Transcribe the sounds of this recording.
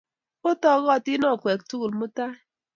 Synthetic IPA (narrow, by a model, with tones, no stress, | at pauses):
ʊ˦tɔ˦˨ɣɔ˦˨ti˦nɔ˦˨kʷe˨k̚tu˦ɣu˨lmu˦ta˦